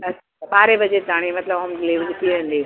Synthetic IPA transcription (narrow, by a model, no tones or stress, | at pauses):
ɐaɓaːɾeʋɐd͡ʑezaːɽ̃imɐt̪ləbəmɡleːʋd͡ʑt̪ʰiʋẽːn̆d̪iː